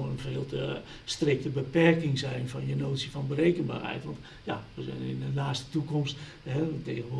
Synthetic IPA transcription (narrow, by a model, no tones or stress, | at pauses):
oənənfeːlˠtə | strɪk̚təbəpɛrkɪŋsɛjnfɔnjənoːtsəfɔnbəreːkənba̰ːrhɛ̰jtʋɔnt | jaʋəsɛ̰jnɪndənaːstə̥tukɔmst | hɛəteːɣənʋo